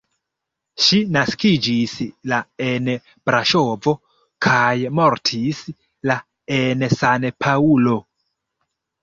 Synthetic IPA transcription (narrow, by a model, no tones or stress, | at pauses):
ʃinaskid͡ʒislaen | b̥ɾaʃovo̞ | kʰajmoɾtʰis | la | ensanpʰaulo̞